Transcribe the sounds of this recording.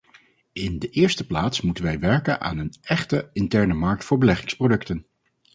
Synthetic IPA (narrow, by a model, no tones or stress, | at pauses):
ɪndəʔɪːɹstəplaːtsmutənʋɛjʋɛɹkəna̰ːnənɛχtəɪntɛɹnəmɑɹk̚tfʊːɹbəlɛχɪŋsprodɵktən